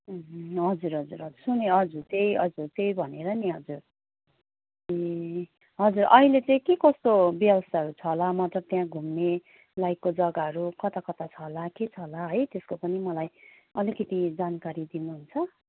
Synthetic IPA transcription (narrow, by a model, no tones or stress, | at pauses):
ɦ̩ɦʌd͡zuɾɦʌd͡zuɾɦʌd͡zursuneɦʌd͡zurt̪ejʌd͡zurt̪ejbʱʌneɾʌniɦʌd͡zur | e | ɦʌd͡zurʔʌɦilet͡sʌ̃ĩkekʌst̪objʌbʌst̪ʰaɦʌɾut͡sʰʌɦlamat̪rʌt̪jãɡʱumne | lajkod͡zʌɡaɦʌɾukʌt̪akʌt̪at͡sʰʌɦlaket͡sʰʌlaɦʌjt̪eskopʌnimʌlaj | ʌlikʌt̪id͡zankaɾid̪inuɦunt͡sʰʌ